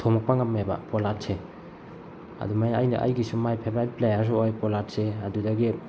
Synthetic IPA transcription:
tʰomɔk̚paŋamːeba̰polat̚se | a̰dumaja̰jna̰ʔa̰jɡisumajpʰebalplejas̬uojpolat̚seadudaɡi

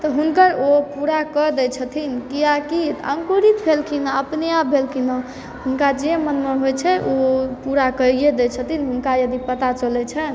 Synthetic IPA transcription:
t̪ɔɦunkəɾopuɾakəd̪ɛt͡ʃʰət̪ʰinkiakit̪ãŋkuɾit̪pʰelkʰinaəpnejabʱelkʰinə | ɦunkad͡ʒemənmeɦojt͡ʃʰɛʔopuɾakəɾied̪ɛt͡ʃʰət̪ʰinɦunkajəd̪ipət̪at͡ʃəlɛt͡ʃʰɛn

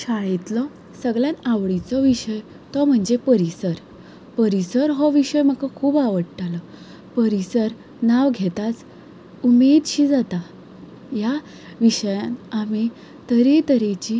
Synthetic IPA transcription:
ɕaɭit̪lɔ | səɡɭjãnaʋɭit͡sɔʋiɕəj | t̪ɔm̤əɳd͡zepəɾisəɾ | pəɾisəɾɦɔʋiɕəjm̤əkakʰuːbaʋəɽʈalɔ | pəɾisəɾ | naʋɡʱet̪at͡s | umed̪ɕid͡zat̪a | ja | ʋiɕəjãnami | t̪əɾet̪əɾet͡ɕi

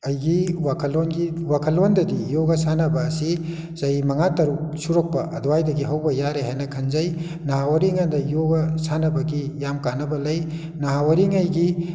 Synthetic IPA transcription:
ɐjɡiwakʰɐlːonɡiwakʰɐlːondɐdijoɡɐsanɐbɐːsi | zɐjimɐŋatɐɾuksuɾok̚pɐʔɐdɔwajdɐɡiɦɐwbɐjaɾeɦajnɐkʰɐnzɐj | nɐɦawɐɾiŋandɐjoɡɐsanɐbɐɡijamkanɐbɐlɐj | nɐɦawɐɾiŋɐjɡi

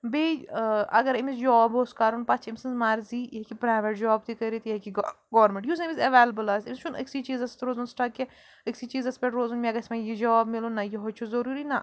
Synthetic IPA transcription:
beɐ̰ɡɐɾimisd͡ʒɔːbɦoːskaːɾunpɐt͡ʃʰimsɐnzmaːɾziːjekipɾaːɪʋeʈ̚d͡ʒɔːbt̪ikɐɾit̪jekiɡ | ɡɔːʋɾmẽɳʈjus̬emizɐʋeːlɐbəlaːzimʲst͡ʃʰunɐ̰ksit͡ʃiːzɐst̪ɾoːzunsʈake | ɐksit͡ʃiːzɐspʲeʈɾoːzunmeɐɡɐsmẽjid͡ʒɔːbmɪlonɐjiɦot͡ʃʰuzɐɾuːɾinɐ

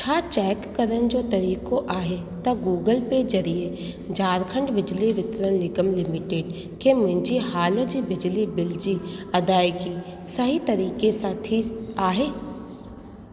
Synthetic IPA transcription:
t͡ʃʰaːt͡ʃɛːkːəɾənd͡ʒoːt̪ɐɾiːkoʔaːɦe | t̪ɐɡuːɡəlped͡ʒɐɾie | d͡ʒaːɾkʰə̃ɳɖbɪd͡ʒliʋɪt̪ɾənlɪɡəmlɪmɪʈeːɖ | kemʊ̃nd͡ʒiɦaːləd͡ʒibɪd͡ʒlibɪld͡ʒiɐd̪aːjki | səɦit̪ɐɾiːkesaːt̪ʰiaːɦeː

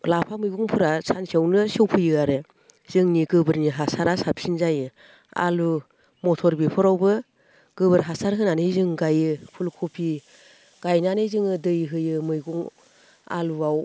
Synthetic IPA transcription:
lapʰamɯjɡuŋpʰɯɾasʰansiawnɯsɯwpʰɯjɯaɾe | z̥ɯŋniɡɯbɯɾniɦasaɾasap̚sinzajɯ | a̰lu | mɔtʰɔɾbipʰɔɾawbɯ | ɡ̥ɯbɯɾɦasaɾɦɯnanɯjzɯŋɡajɯpʰulkʰupʰi | ɡ̥ajnanɯzɯŋɯdɯjɦɯjɯmɯjɡuŋ | a̰luaw

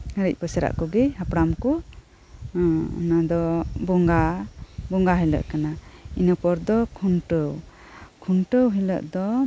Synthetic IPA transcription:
əɾəc̚ˀpəsɛɾa̰ʔkɔɡɛhapɽamkɔ | nad̪ɔbɔŋɡabɔŋɡaɦɛlə̰ʔkanainəpɔɾd̪ɔkʰunʈəw | kʰunʈəwɦilə̰ʔd̪ɔ

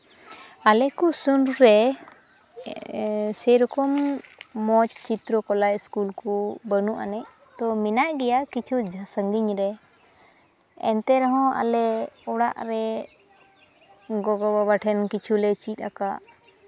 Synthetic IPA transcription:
alɛkusunɾɾɛ | sɛjɾɔkɔmː | ɔt͡ʃt͡ʃit̪ɾɔkɔlajskulkubənuʔa̰nɛʔ | t̪ɔminaʔɡɛjakit͡ʃʰud͡ʒʱsəŋɡiɲɾɛ | ɛ̰nt̪ɛɾɔɦɔ̃a̰lɛɔɽa̰ʔɾɛ | ɡɔɡɔbaβaʈʰɛnkit͡ʃʰulɛt͡ʃit̪̚ˀakaʔ

